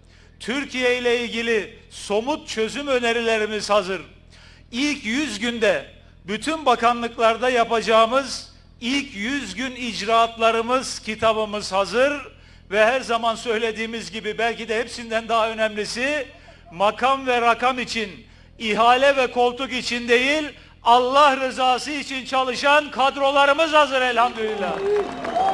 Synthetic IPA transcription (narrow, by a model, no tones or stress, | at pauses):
t̪ʰyɾcʰijejlʲɛilʲɟilʲi | so̞mut̪̚t͡ʃʰø̞zymø̞neɾilʲeɾimiz̥hazɯɾ | ilʲcjyzɟynd̪ɛ | byt̪ʰynbakanlˠɯklˠaɾd̪ajapad͡ʒaːɯmɯz | ilʲcʰjyzɟynid͡ʒɾaːt̪lˠaɾɯmɯz̥cʰit̪ʰabɯmɯz̥hazɯɾ | vɛɦæɾzamansø̞jlʲe̞d̪iːmizɟibibælʲcid̪ɛhɛpsind̪ænd̪aɦaø̞næmlʲisi | makʰamvɛɾakamit͡ʃʰin | iɦaːlʲɛvɛkʰo̞lˠt̪ʰukit͡ʃʰind̪e̞jilʲ | alˠːahɾɯzaːsɯit͡ʃʰint͡ʃʰalˠɯʃankʰad̪ɾo̞lˠaɾɯmɯzhazɯɾɛlʲhamd̪ølʲilʲːaː